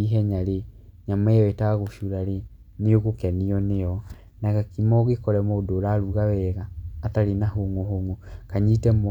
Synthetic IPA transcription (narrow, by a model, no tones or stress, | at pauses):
iɦɛɲaɾeɲamajɔetaɣoʃuɾaɾe | neoɣokɛniɔnejɔ | naɣakimɔɣekɔɾɛmodoɾaɾuɣawɛɣaːtaɾenahoŋoɦoŋokaɲitɛm